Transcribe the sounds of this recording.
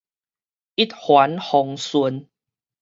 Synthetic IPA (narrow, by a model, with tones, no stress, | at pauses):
i˦˥t̪̚hwa˨˦nhɔ˨ŋsu˧˦n